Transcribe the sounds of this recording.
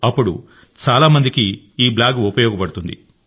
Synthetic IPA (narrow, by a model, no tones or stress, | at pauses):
ɐpːuɽṵ | t͡ʃaːlaːmɐnd̪ikiː | blaːɡupɐjɔːɡɐpɐɽut̪und̪ḭ